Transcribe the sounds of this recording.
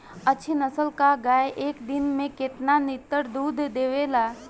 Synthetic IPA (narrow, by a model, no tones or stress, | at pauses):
ɐtːʃʰinəsəlkaɡaːeʔeːkd̪ɪnmẽkɪt̪nanɪt̪ːəɾd̪uːd̪ʱd̪eːʋeːla